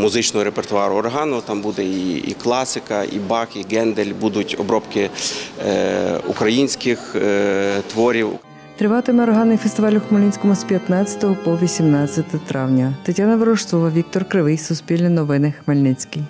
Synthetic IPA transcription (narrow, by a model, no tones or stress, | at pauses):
mʊzɪt͡ʃnɔɦɔɾepert̪ʊɑɾʊːrɦɑnɔt̪ɑmbud̪ɛiḭklˠɑsɪkɐḭbɑxiɡɛnd̪elʲbud̪ʊtʲɔ̰bɾɔpkɪ | ṵkɾɐjinʲsʲkɪx | t̪ʋɔɾʲiw̰ | t̪ɾɪʋɑt̪ɪmeɔɾɦɑnɪjfest̪ɪʋɑlʲʊxmelʲnɪnʲsʲkɔmʊspʲjɐt̪nɑt͡st͡sʲɐ̥t̪ɔɦɔpɔʋʲisʲimnɑt͡sʲːɐt̪ɔt̪ɾɑwnʲɐt̪ɐtʲːanɐʋɪɾɔʃt̪ɔʋɐʋʲik̚t̪ɔrkɾɪʋɪjsʊspʲilʲnʲinɔʋɪnɪxmelʲnɪt͡sʲkij